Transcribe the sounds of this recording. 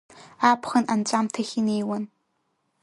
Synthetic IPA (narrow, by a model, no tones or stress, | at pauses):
aːpʰχɐnʔant͡ʃʼaːmtʰɐxineːwɐn